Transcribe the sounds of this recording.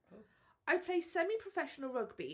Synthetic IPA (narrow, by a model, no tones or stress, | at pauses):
aɪpʰl̥eɪsɛmipʰɹ̥əfɛʃənəlˠɹʌɡbi